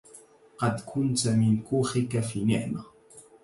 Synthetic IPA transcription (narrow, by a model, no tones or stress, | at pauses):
qɑd̪kʰʊnt͡samɪŋkuχɪkafɪnḛʔma